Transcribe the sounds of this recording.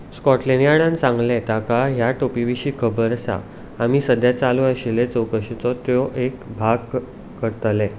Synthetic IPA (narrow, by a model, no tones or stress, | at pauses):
skɔʈlenjaɽãnsãŋɡlẽt̪akaɦjaʈopiʋiɕiːkʰəbəɾəsa̰ | amiːsəd̪jat͡saluaɕilet͡səwkəɕit͡sɔt̪jɔʔekbʱaɡ | kəɾt̪le